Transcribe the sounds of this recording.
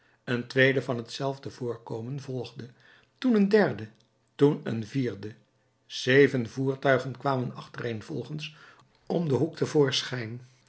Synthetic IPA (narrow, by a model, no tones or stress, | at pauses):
əntʋejdəvɑnɦətsɛlˠvdəv̥ʊːɹkowmənvɔlˠχdə | tunəndɛɹdə | tunə̰nviːɹdə | z̥ejvənvuːɹtœɥχənkʋaːmənɑχtərejnv̥ɔlˠχəns | ɔmdəɦuk̚tʰəvʊːɹsχɛjn